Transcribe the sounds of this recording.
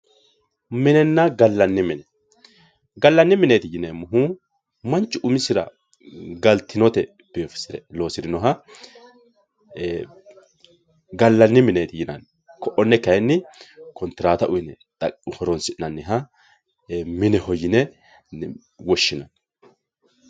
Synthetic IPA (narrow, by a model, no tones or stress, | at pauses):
mɪnɛnːɐɡɐlːɐnːɪmɪnɛ | ɡɐlːɐnːɪmɪneːt̪ɪjɪnɛmʊɦu | mɐnt͡ʃʼːʊʊmɪsɪɾɐ̰ | ɡɐlt̪ʰːɪnɔt̪ɛ | b̥eofɪ̥sɪɾɛlo̞ːsɪdɪnɔɦɐ | ɡɐlːɐnːɪmɪneːt̪ɪjɪnɐ̰n | kɔʔɔnːɛkɐjɛnːɪkɔnt̪ɪɾaːt̪ɐʔʊjɪnɛ | t̪ʼɐhɔɾɔnsɪnɐnːɪɦɐ | mɪnɛhɔjɪnɛ | wɔʃːɪnɐn